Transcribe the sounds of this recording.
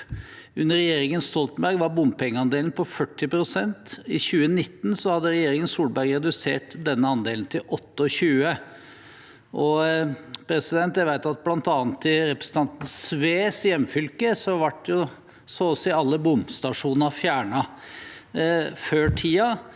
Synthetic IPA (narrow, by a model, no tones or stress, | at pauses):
ʉnːəɾɛjeːɾɪŋənst̪ɔlt̪n̩bæɾɡʋɑɾbʊmpʰɛŋːəɑnd̪eːln̩pʰɔfœʈːɪpɾʊsɛnt̪ɪɕʉːənɪt̪ːn̩sɔhɑd̪ːəɾɛjeːɾɪŋənsuːlbæɾɡɾɛd̪ʉsḛːʈd̪ɛnːəɑnd̪eːln̩t̪ʰɪlʔɔt̪ːəɔɕʉːə | ʔɔ | pʰɾɛsɪd̪ɛnt̪jæɪʋæɪt̪ɑt̪̚blɑnt̪ɑːnt̪ːɪɾɛpɾə̥sn̩t̪ɑnt̪n̩sʋeːsjɛmːfʏlkəsɔʋɑʈːjʊ | soɔsɪɑlːəbʊmst̪ɑʂuːnəfjæːɳɑ | føːʈʰiːɑ